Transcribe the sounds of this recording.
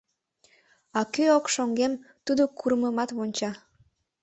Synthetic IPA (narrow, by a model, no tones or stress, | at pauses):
ɑkøokʃoŋɡemt̪ud̪okuɾəməmɑt̪βonʲt͡ɕɑ